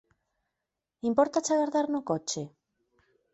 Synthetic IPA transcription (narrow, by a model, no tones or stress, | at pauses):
impoɾt̪at͡ʃaɣaɾðaɾnokot͡ʃe